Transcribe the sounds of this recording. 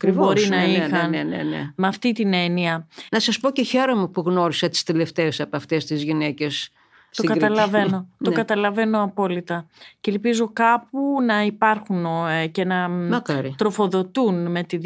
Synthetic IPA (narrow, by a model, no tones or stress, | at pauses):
ɐɐkɾivbo̞ɾinɐixɐnnḛnḛmɐft̪it̪ine̞niɐnɐsɐspoce̞çe̞ɾomepuɣno̞ɾisɐt̪i̥st̪ile̞ft̪eːsɐpoɐft̪e̞st̪izʝine̞ce̞s | st̪okɐɾɐlɐve̞no̞t̪okɐt̪ɐlɐve̞no̞ɐpo̞lit̪ɐcelpizo̞kɐpunɐipɐɾxunce̞nɐmɐkɐɾit̪ɾo̞fo̞ðo̞t̪unme̞t̪i